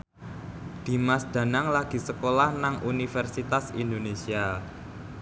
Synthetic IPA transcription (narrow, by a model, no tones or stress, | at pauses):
d̪̥i̤masd̪̥ä̤naŋlaɡ̥i̤səkolahnaŋʔunifɛrsit̪asind̪onesia